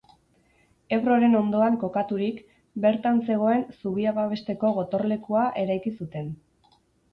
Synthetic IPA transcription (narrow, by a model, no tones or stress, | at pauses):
e̞βro̞ɾe̞no̞nd̪o̞aŋko̞kat̪uɾik | be̞ɾt̪anse̞ɣ̞o̞e̞nsuβiaβaβe̞st̪e̞ko̞ɣ̞o̞t̪o̞ɾle̞kuaʔe̞ɾajkisut̪e̞n